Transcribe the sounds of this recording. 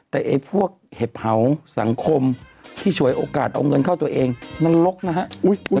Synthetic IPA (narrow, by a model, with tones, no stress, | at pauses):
t̪ɛː˨˩ʔa˨˩jpʰu˥˩ək̚he˧˩p̚ha˨˩wsa˨˩˦ŋkʰo˧mt̪ʰiː˧˥˩su˧˦əjʔoː˧kaː˨˩t̪̚ʔa̰˧wŋɤ˧˨nkʰa˥˩wt̪u˧əʔeː˧ŋmɛ˧˥˨nlo˧˦˥k̚na˧˥ɦa˧˥ʔ